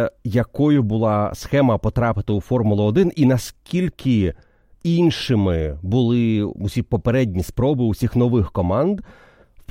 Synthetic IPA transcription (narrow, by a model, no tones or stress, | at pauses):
jɐkɔjʊbʊlˠɑsxɛmɐpɔt̪ɾɑpɪt̪ɪufɔrmʊlˠʊɔːd̪ɪninɐskʲilʲkʲʰɪ | inʃɪmɪbʊlˠɪusʲipɔpeɾɛdʲnʲispɾɔbɪusʲixnɔʋɪxkɔmɑnd̪ | p